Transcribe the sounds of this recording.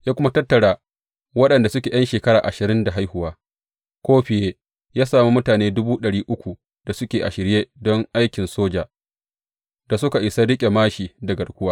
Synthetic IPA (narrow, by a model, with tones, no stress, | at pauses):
jaː˦kʷʊ˦ma˦tɐ˦tːɐ˨ɽaː˨ | wɐ˦ɗɐ˨nda˨sʊ˦kʲeː˨jɐ˦nʃeː˨kɐ˦ɾaː˨ʔa̰˨ʃɪ˨ɾɪ˦nda˨ɦa˦jhʊ˨waː˦ | kʷoː˦ɸɪ˨jeː˦ | jaː˦saː˨mu˦mʊ˦taː˨neː˦dʊ˦buː˦ɗɐ˨ɽiː˦ʔʊ˦kʷu˨ | d̥a˨sʊ˦kʲeː˨ʔa˨ʃɪ˨ɾjeː˦dɔ˦ŋʔa˦jkʲɪ˨nsoː˦d͡ʒaː˨ | da˨sʊ˦ka˨ʔɪ˨sa˦ɽɪ˦kʲʼe˨maː˦ʃiː˨da˨ɡɐ˨rkʷʊ˦waː˦